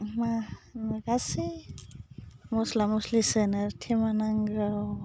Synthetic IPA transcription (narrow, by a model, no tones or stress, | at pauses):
manɡasi | mɔslamɔslisenaɾtʰimanaŋɡɾaw